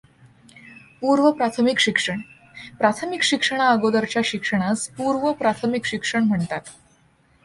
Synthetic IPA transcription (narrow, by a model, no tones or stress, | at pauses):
puɾʋəpɾat̪ʰəmikɕikʂəɳ | pɾat̪ʰəmikɕikʂəɳ̃aəɡod̪əɾt͡ɕjaɕikʂəɽ̃aspuɾʋəpɾat̪ʰəmikɕikʂəɳm̤əɳt̪at̪